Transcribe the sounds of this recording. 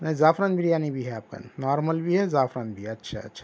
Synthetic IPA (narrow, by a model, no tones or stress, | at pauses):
nɐ̃zaːfʰɾanbiɾjaːnibʱiɦɛaːp̚ka̰nɔːɾməlbʱiɦɛzaːfʰɾanbʱiɐtːʃʰa̰ɐ̰tːʃʰa